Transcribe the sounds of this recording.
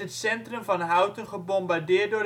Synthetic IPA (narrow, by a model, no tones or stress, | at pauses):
ɦətsɛntrəmvɑnɦʌwtənχəbɔmbaɹdɪːɹt̚dʊːr